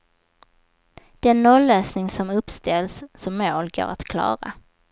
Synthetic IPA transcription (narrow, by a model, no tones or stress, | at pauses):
d̪̥ɛnːolːøːsnɪŋsɔmɵpst̪ɛlsːɔmːoːlɡo̰ːɾat̪kʰlɑ̰ːɾa̰